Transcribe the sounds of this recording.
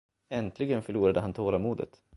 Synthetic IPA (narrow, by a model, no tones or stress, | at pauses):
ɛnt̪ʰlɪɡənfœɭuːɾad̪əɦant̪ʰoːɾamuːd̪ə̰t̪